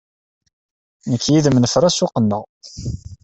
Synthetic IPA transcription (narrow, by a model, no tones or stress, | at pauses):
nəkːjiðəmnəfɾˤæsʊqənːəʁ